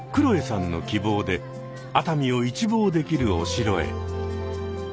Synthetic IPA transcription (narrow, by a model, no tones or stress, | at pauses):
kɯ̟ɾo̞e̞sãnːo̞̰kʲibo̞ːd̪e̞ | at̪amʲio̞it͡ɕibo̞ːd̪e̞kʲiɾɯ̟o̞̰ɕiɾo̞e̞̰